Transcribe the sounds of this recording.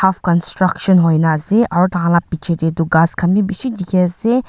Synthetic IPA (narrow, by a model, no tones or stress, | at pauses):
afkɐnsʈɾɐkʃənɦojnazeʔɔɾt̪ãlapit͡ʃʰed̪ed̪uɡaskʰɐmĩbiʃid̪ikʰeze